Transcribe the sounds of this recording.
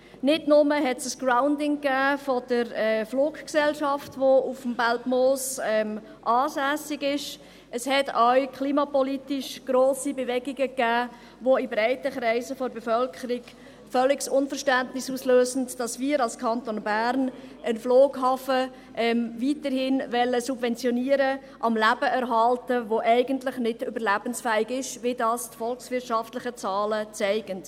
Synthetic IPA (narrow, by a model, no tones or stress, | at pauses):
nɪdnʊməɦɛtsəsɡ̥raʊndɪŋkæːfɔd̥əɾɛfloːkksɛlʃɑftʋoufmbaltmoːsɛm | ʔɑːsæːsɪɡɪʃ | ʔəshɛtʰawkʰχliːmɑpɔlitɪʃɡ̥ɾoːsibɛʋɛɡɪɡəkːæː | ʋoibɾɛɪtəkɾɛɪsəfɔɾbɛfœlkʰəɾiɡ | fœlːɪksʊnfəɾʃtændnɪsuːsløːzn̩dd̥ɑsmiːɾɑlskʰɑntonbæːɾnənfloːɡhɑːfə | ʔɛmviːtəɾhɪnʋɛlːəsubvɛnt͡sjɔniːəɾə | ʔɑmlæb̥əʔɛɾɦɑltəʋoʔɛɪɡəntlɪχnɪdʏbəɾlæb̥ənsfæːɪɡɪʃʋɪdɑːstfɔlksʋɪtʃɑftlɪχət͡sɑːlət͡sɛɪɡ̥ənt